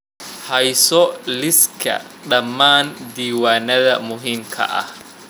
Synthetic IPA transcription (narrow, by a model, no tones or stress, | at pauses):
hɐjsɔlɪskʰɐ̰ | ɗɐmːaːnd̪iːwaːnɐðɐmʊɦiːmkʰɐ̰ʔɐ̰h